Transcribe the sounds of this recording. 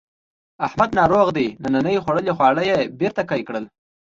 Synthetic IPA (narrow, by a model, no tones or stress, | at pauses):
ahmad̪nɑɾoɣd̪enananəjxwaɽəlexwɑɽəjebeɾt̪akɑjkɽəl